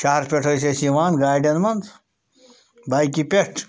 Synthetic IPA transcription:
ʃaɦɐɾpʲeʈʰoːjsesiʋaːnɡaːɾɖɐnmɐnd̪ | baːjkipeʈʰ

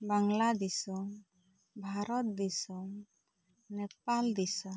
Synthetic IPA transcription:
baŋlad̪isɔŋ | bʱaɾɔt̪̚d̪isɔŋ | nɛp̚ald̪isɔ

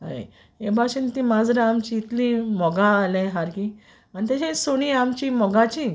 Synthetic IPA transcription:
ɦa̰ | ebʱaɕint̪ĩːmad͡zɾãamt͡ɕiːt̪lĩmɔɡãːlẽɦaɾki | anit̪̬aɕẽsoɽ̃ĩamt͡ɕimɔɡãt͡ɕi

